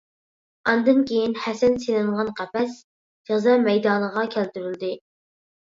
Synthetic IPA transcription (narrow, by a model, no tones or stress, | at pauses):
ɑnd̪ɨnkʲejinhɛsɛnselɪɴʁɑnqʰæpɛs | d͡ʒɛʁzɑmɛjd̪ɑːnəʁɑkʲʰælt̪yɾyld̪ɪ